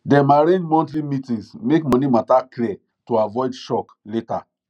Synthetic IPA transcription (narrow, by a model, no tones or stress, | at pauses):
dɛ̃maɾẽnd͡ʒmɔ̃ntɾimitĩŋsmekmɔ̃nimataklɛ | toavɔɪdʃɔk | leta̰